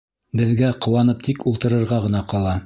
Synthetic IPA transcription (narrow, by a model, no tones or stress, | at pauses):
bɘ̆ðɡæqŏwɑnɤp̚t̪ʰikulˠt̪ɤ̆ɾɤ̆ɾʁɑʁɤ̆nɑqɑlˠɑ